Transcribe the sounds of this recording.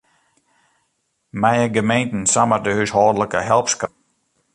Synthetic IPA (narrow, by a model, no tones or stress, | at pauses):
mɛjəɡəmejntn̩samədəhyshɔːdləkəɦɛlˠpsk